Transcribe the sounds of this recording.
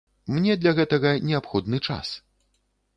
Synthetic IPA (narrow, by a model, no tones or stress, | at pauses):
mnʲɛd̪lʲɐɣɛt̪ɐɣɐnʲɛapxɔd̪nɨt͡ʂa̰s